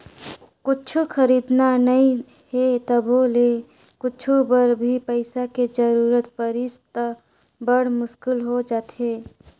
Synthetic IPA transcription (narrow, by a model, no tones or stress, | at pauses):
kʊt͡ʃʰukʰəɾiːd̪nanəĩ | het̪əbole | kʊt͡ʃʰubəɾbʱipəɪsaked͡ʒəɾuːɾət̪pəɾɪst̪ə | bəɽ̤mʊʃkʊlɦod͡ʒaːt̪eː